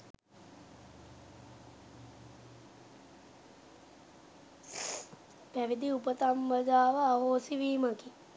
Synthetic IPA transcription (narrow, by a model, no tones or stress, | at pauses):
pæʋid̪iupət̪amʋəd͡ʒaːʋəaɦoːsiʋiːmaki